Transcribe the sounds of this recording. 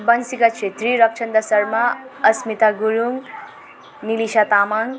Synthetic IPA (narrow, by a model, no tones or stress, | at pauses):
bʌnsikat͡ʃʰet̪ɾiɾʌk̚t͡ʃʰʌnd̪ʌsʌɾmaʌsmit̪aɡuɾuŋ | niliʃat̪amaŋ